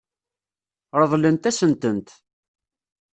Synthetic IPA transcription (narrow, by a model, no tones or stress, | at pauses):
ɾˤəðˤlənt̪æsənt̪ənt̪